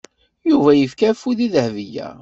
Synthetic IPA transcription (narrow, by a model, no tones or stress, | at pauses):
juvæjəfkæfuðiðəhvijæ̰